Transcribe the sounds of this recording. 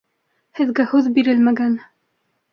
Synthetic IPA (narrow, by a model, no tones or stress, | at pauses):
hɘ̆ðɡæhʉðbiɾɘlmæɡæn